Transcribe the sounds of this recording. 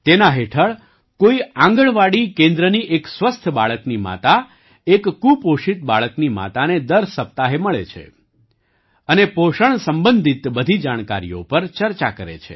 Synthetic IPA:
t̪enaɦeʈʰəɭ | koiãŋɡəɭʋaɽikẽnd̪ɾəniʔeksʋəst̪ʰbaɭəknima̰t̪a | ekːupoʃit̪̚baɭəknima̰t̪aned̪əɾsəp̚t̪aɦeməɭet͡ʃʰḛ | ənepoʃəɳsəmbənd̪ʱit̪bəd̪ʱid͡ʒaɽ̃kaɾḭjo̰pəɾt͡ʃəɾt͡ʃakəɾḛt͡ʃʰḛ

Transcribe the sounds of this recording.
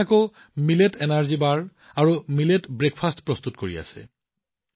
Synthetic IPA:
ako | miletɛnaɹzibaɹ | aɹumiletbɹekʰpʰastpɹɔstutkoɹḭa̰sɛ̰

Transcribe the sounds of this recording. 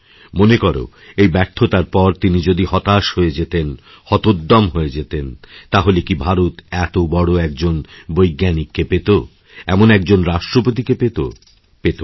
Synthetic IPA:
monekɔɾo̰ | ejbɛɾt̪ʰːot̪aɾpɔɾt̪inid͡ʑod̪ihɔt̪aʃhoed͡ʑet̪en | hɔt̪od̪ːɔmɦoed͡ʑet̪ent̪aɦolekibʱaɾut̪ɛt̪obɔɽoɛk̚d͡ʑonbojɡːanikːepet̪o | ɛmonɛkd͡ʑonɾaʃʈɾopot̪̬ikepet̪o̰ | pet̪o

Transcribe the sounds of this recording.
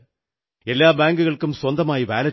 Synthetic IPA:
elːaːbaːŋɡɯɣɐɭkɯmswɐnd̪ɐmaːjiʋaːlɐ

